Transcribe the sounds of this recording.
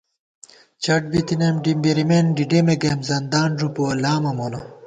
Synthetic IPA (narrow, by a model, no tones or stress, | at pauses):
t͡ɕɐʈ̚bit̪inemɖimbeɾimenɖiɖemeɡemzɐnd̪aːnʐupoɐlaːmɐmono